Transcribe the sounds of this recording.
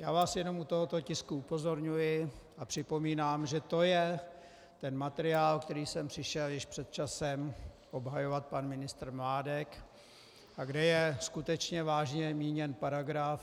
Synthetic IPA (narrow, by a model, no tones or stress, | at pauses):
jaːvaːsjɛno̞mut̪oɦot̪o̞cɪskuupo̞zo̞ɾɲujɪ | apr̝̥ɪpo̞miːnaːmʒɛt̪o̞jɛ | t̪ɛnmat̪ɛɾɪaːlkt̪ɛɾiːsɛmpr̥ɪʃɛljɪʃpr̥ɛt̪̚t͡ʃasɛm | ʔo̞bɦajo̞vat̪̚panmɪnɪst̪ɾmlaːdɛk | ʔaɡdɛjɛskut̪ɛt͡ʃɲɛvaːʒɲɛmiːɲɛnpaɾaɡɾaf